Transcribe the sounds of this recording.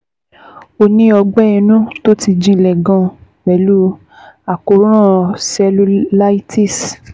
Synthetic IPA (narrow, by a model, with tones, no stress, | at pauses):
o˧nĩ˦ɔ˧ɡ͡bɛ˦i˧nũ˦to˦ti˧d͡ʒĩ˧˨lɛ˨ɡã˧ | wɛ˨˦lu˦ | a˨ko˨˦ɾ̃ã˦˨sɛ˧lu˧˦la˦i˦ti˦˨s